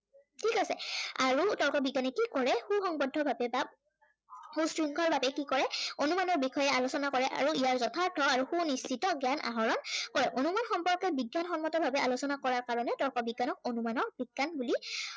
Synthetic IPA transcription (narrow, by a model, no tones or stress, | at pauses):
tʰikasɛaɹutɔlkɔbiɡanɛkikɔɹɛxuxɔŋbɔdʱːɔbʱabɛba | xustɹiŋkʰɔɹbʱabɛkikɔɹɛonumanɔɹbixʰɔjɛalosɔnakɔɹɛʔa̰ɹuijaɹzɔtʰaɹtʰɔaɹuxunist͡ʃitɔɡjanʔa̰ɦɔɹɔnkɔɹɛʔonumanxɔmpɔɹkɛbiɡːanxɔnmɔtɔbʱabɛalosɔnakɔɹaɹkaɹɔnɛtɔlkɔbiɡːanɔk̚onumanɔɹb̥iɡːanbuli